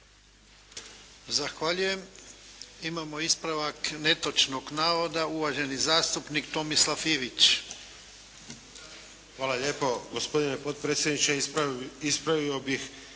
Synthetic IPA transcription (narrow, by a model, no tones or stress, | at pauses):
zaxʋaʎuje̞m | imamo̞ispɾaʋakne̞t̪o̞t͡ʃno̞ɡnaːʋo̞d̪auʋaʒe̞nizaːst̪upnikt̪o̞mislafiːʋit͡ʃ | xʋaːlaʎeːpoɡospo̞d̪inepot̪pɾet̪sjed̪nit͡ʃeispɾaʋiobix